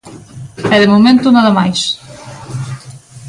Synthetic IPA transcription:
ɛðemomẽnt̪unaðamajs

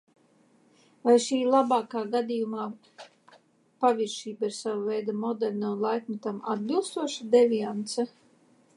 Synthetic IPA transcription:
vajʃiːlˠabaːkaːɡad̪ijumaː | paviɾʃiːbaiɾsavavɛjd̪amɔd̪ɛɾʲnaunlˠajkmat̪ama̰d̪̚bilˠst̪uɔʃad̪ɛvʲiant̪sɛ

